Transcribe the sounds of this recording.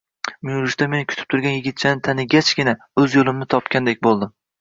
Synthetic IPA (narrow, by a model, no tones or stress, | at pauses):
mɪjʊlˠɪʃt̪ame̞nɪkʲʰʊ̥t̪ʰɪ̥p̚t̪ʰʊɾɡʲanjɪɡʲɪt̪̚t͡ʃʰanɪt̪ʰanɪɡʲat͡ʃɡʲɪna | ɵzjolˠɪmnɪt̪ʰɒpkʲand̪ek̚ʲbolˠd̪ɪm